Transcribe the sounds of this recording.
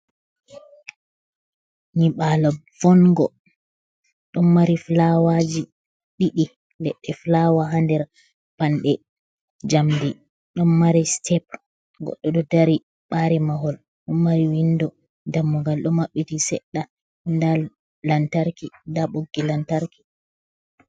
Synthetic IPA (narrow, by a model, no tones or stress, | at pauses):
ɲiɓalavɔnɡɔ | ɗɔmmaɾiflawad͡ʒi | ɗiɗi | lɛɗːɛflawaɦandɛɾ | panɗɛ | d͡ʒamdi | ɗɔnmaɾistʰɛp̚ | ɡɔ̰ɗːɔɗɔdaɾi | ɓaɾimahɔl | ɗɔmːaɾiwindɔ | damːuɡalɗɔmaɓːitisɛ̰ɗːa | ndal | lantaɾkindaɓoɡːilantaɾki̥